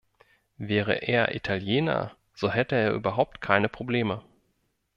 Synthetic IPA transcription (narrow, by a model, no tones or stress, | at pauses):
vɛːʁ̞ə̰ʔeːɐʔḭtʰaljeːnɐ̰ | z̥oɦɛtəeːɐʔyːbɐɦaʊp̚tkʰaɪnəpʁ̥obleːmə